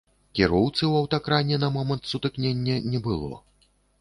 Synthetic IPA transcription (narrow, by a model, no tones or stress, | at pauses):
kʲiɾɔwt̪sɨwɐwt̪akɾanʲɛnɐmɔmɐnt̪sut̪ɨknʲenʲːɛnʲɛbɨlˠɔ̰